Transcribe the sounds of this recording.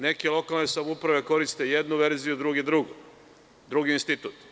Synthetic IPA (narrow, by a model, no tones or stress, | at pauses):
ne̞kelˠo̞kalˠnesamupɾaʋe̞ko̞ɾist̪e̞je̞d̪nuʋe̞ɾzijud̪ɾuɡid̪ɾuɡu | d̪ɾuɡiinst̪it̪ut̪